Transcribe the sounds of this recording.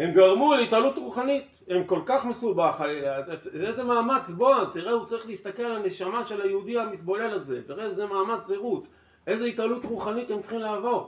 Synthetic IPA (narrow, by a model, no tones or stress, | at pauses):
he̞mɡaʁmuleit̪alut̪ʁuχanit̪ | emko̞lkaχme̞subaχa | ezemaːmat͡sboazt̪iʁeut͡saʁiχleist̪ake̞lalane̞ʃamaʃe̞lajeudiamit̪balelaze̞t̪iʁezemaːmat͡seʁut̪ | e̞zeit̪alut̪ʁuχanit̪emt͡sχimlaːvo̞ʁ